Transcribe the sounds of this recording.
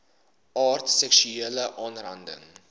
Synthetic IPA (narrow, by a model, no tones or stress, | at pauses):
ʔɑːrtsɛkʃyeːləʔɑːnrɐ̰ndə̰ŋ